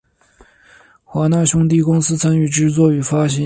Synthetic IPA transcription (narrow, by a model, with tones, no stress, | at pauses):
xwa˧˥na˥˩ɕʊ˥ŋt̪̬i˥˩kʊ˥ŋsɹ̩˥t͡sʰa˥ny˥˩ʈ͡ʂɻ̩˥t͡swɔ˥˩y˨˩fa˥ɕɛ˧˥